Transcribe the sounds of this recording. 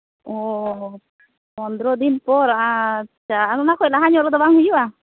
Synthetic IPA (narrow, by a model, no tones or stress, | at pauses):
ʔɔ | ɔnd̪ɾɔd̪inpɔɾaat͡ʃaːnɔnakɔɛlaɦaɲɔlɔd̪abaŋhujua